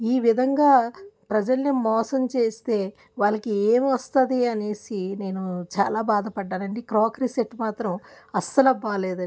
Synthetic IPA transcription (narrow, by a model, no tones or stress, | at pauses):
iːʋid̪ʱɐŋɡaːpɾɐd͡ʒɐlnimɔːsɐmt͡ʃe̞ːst̪e̞ː | ʋaːlɐkieːmʋɐst̪ɐd̪iɐne̞ːsine̞ːnut͡ʃa̰ːlaːbaːd̪ɐpɐɖːaːnɐɳɖikɾoːkɾiseʈmaːt̪ɾɐmɐst̪ɐlɐbaːleːd̪ɐ